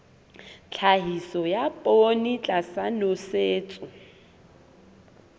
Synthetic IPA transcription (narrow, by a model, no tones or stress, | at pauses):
t͡ɬʰaɦisɔjapʼonit͡ɬʼasanoseːt͡sʼʊ